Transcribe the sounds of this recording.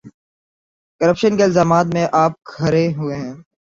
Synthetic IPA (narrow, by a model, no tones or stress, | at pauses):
kəɾəpʃənkeɪlzaːmaːt̪̬mẽʔaːp̚kʰɐɾeɦʊeɦɛ̃ː